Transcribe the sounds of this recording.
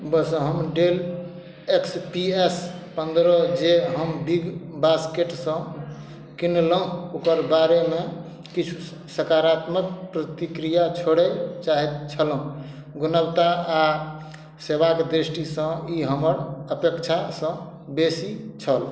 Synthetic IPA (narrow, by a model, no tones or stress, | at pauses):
bəsɦəmɖel | ekspiespənd̪ɾəd͡ʒeɦəmbiɡbaskeʈsə̃ | kinlə̃okəɾbaɾeme | kit͡ʃʰu̥ | səkaɾat̪mək̚pɾət̪ikɾijat͡ʃʰoɽet͡ʃaɦet̪̚t͡ʃʰələ̃ | ɡunəwt̪aː | sebaked̪ɾisʈisə̃iɦəməɾəpekt͡ʃʰasə̃ | besit͡ʃʰəl